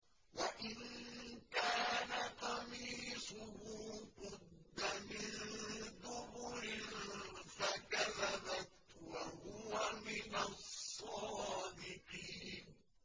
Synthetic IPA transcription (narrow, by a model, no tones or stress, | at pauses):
waʔɪnkaːnaqɑmiːsʊhʊːqʊd̪ːamɪnðʊbʊɾɪnnfakaðabat̪wahʊwamɪnassːɑːd̪ɪqiːn